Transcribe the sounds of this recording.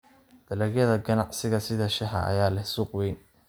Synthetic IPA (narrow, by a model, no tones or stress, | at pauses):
d̪̥ɐlɛɣjɐðɐɡɐnɑʕsɪɣɐsɪðɐʃɪħɑ̰ʔɐ̰jaːlɛhsuːqwɛjn